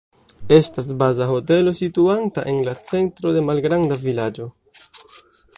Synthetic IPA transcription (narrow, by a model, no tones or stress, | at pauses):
e̞stas̬bazaɦo̞te̞lo̞situantaʔe̞nlat͡se̞ntɾo̞de̞malɡɾandavilad͡ʒo̞